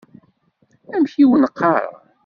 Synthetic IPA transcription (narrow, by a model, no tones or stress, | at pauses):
æmçiwənəqːɑɾ̰ˤ